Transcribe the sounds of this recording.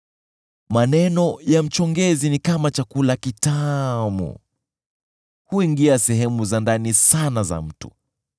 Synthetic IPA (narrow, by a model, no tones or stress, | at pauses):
manɛnɔjam̩t͡ʃɔŋɡɛzinikamat͡ʃakulakitamṵ | huiŋɡiasɛɦɛmuzandanisanaza̰m̩tu̥̰